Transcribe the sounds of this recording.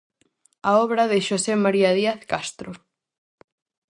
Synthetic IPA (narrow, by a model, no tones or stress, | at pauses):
aɔβɾɐðɪʃosemaɾiɐðiaθkast̪ɾo